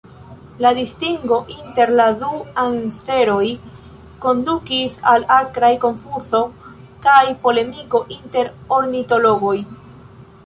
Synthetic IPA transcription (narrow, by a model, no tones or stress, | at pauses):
ladistiŋɡo̞ʔinte̞ɾladuanse̞ɾo̞j | ko̞ndukisalakɾajko̞ɱfuso̞ | kajpo̞le̞miko̞ʔinte̞ɾo̞ɾnito̞lo̞ɡo̞j